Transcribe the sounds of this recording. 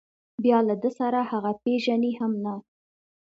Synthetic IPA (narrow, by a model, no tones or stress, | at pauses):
bjɑlad̪əsaɾahaɣapeʒanehamna